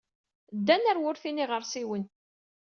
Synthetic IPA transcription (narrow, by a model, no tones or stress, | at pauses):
d̪ːænæɾwʊɾθiniʁəɾˤsiwən